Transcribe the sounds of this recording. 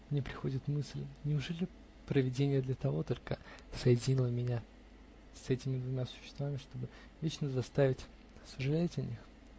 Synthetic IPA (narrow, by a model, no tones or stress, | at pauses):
mnʲe̞pɾʲɪxo̞dʲɪt̪mɨsʲlʲnʲɪʊʐɛlʲɪ | pɾəvʲɪdʲenʲɪjəd̪lʲət̪ɐvo̞t̪o̞lʲkəsəjɪdʲɪnʲilˠəmʲɪnʲa | sɛtʲɪmʲɪd̪vʊmʲasʊ̥ɕːɪst̪vamʲɪʂt̪o̞bɨ | vʲet͡ɕnəzɐst̪avʲɪtʲ | səʐɨlʲætʲɐnʲix